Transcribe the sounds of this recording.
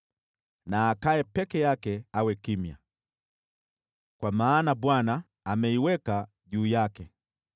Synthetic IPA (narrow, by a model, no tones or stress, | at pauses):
naːkaɛpɛkɛjakɛawɛkimja̰ | kwamaːnaɓwanaː | mɛiwɛka | ʄuːjakɛ